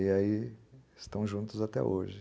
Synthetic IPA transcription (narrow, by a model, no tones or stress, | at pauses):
iaiɪst̪ɐ̃w̃ʒũt̪ʊzat̪ɛ̰oʒɪ